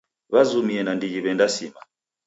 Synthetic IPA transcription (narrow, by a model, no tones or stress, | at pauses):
βazumiɛnandid͡ʒiβɛndasima